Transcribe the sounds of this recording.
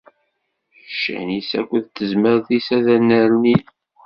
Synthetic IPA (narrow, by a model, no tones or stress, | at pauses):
ʃæ̰nisæ̰kʷːəðt̪ːəzməɾθisæðænːæɾuni